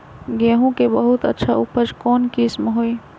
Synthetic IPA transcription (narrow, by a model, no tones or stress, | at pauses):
ɡeɦũkebəɦut̪ə̰tːʃʰaʊpʰəd͡ʒkɔːnkismɦoːi